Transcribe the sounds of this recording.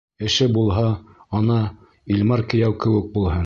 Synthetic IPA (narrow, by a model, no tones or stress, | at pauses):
ɘ̆ʃɘbulˠɦɑɒnɑ | ilʲmɑɾkɘ̆jæwkɘ̆wɘ̆k̚bulˠɦɤn